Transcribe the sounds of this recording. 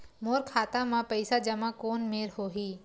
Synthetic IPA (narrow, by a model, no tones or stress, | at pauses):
moːɾkʰaːt̪ãmãpəɪsad͡ʒɐmakoːnmeːɾɦoːɦiː